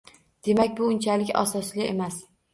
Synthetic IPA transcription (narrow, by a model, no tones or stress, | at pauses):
d̪̥e̞makʲbʊʊnt͡ʃʰalɪkʲa̰sɒslɪemas